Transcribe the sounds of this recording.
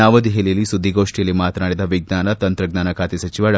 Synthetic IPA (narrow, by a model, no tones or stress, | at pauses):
aːʋɐd̪iɦelijɐlːisud̪ʱːiɡoːʂʈijɐlːimaːt̪ɐnaːɽid̪ɐʋiɡ̚naːnɐt̪ɐnt̪ɾɐɡnaːnɐkʰaːt̪isɐt͡ʃiʋaːɭɐ